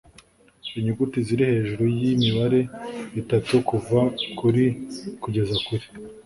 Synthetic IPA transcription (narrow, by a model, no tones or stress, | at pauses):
iɲuɡutiziɾihe̞ːʒuɾujimiβaɾe̞itatukuvakuɾikuɟe̞zakuɾi̥